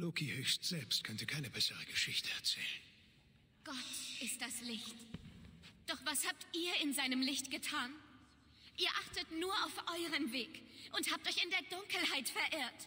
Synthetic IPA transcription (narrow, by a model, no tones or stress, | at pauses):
loːkʰihøːçstz̥ɛlpstkʰœntəkʰaɪnəbɛsəʁəɡ̥əʃɪçtʰəɛ̰ɐt͡sɛ̰ːlən | ɡ̥ɔtʔɪst̚d̥aslɪçt | d̥ɔχv̥ashaːp̚tʔiːɐɪnzaɪnəmlɪçtɡ̥ətʰaːn | ʔiːɐʔaχtətnuːɐʔaʊfʔɔʏʁəmveːkʔʊnthaːp̚tɔʏçɪndeːɐdʊŋkl̩haɪtfɛɐʔɪːɐt